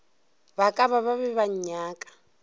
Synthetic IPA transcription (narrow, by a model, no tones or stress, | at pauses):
βakʼaβaβaβɛβaɲɲaːkʼḁ